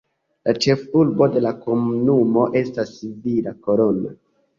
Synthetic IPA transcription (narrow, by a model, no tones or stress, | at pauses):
lat͡ʃe̞fuɾbo̞de̞lakomunumo̞ʔe̞stasːivilako̞ɾo̞na